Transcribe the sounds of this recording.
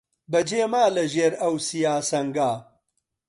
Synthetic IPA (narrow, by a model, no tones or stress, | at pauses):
bɐd͡ʒeːmaːlɐʒeːɾɐwsijaːsɐŋɡaː